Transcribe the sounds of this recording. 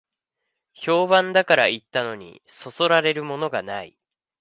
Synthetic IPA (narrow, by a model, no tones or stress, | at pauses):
ço̞ːbãnd̪akaɾait̪ːano̞ɲ̟ḭ | so̞so̞ɾaɾe̞ɾɯ̟mo̞no̞ɡanai